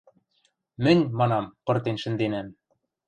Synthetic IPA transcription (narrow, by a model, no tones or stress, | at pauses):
mɘ̆nʲmɑnɑmpɤ̆rt̪enʃɘ̆nd̪enæm